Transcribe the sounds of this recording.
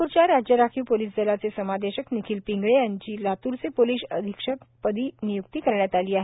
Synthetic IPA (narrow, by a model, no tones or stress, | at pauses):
uɾt͡ɕjaɾad͡ʑjəɾakʰiːʋpoliːsd͡zəlat͡sesəmad̪eɕəknikʰiːlpiŋɡɭejaɲt͡ɕiːlat̪uɾt͡sepoliːsəd̪ʱikʂək | pəd̪ʱiːnijuk̚t̪iːkəɾɳjat̪aliːaɦe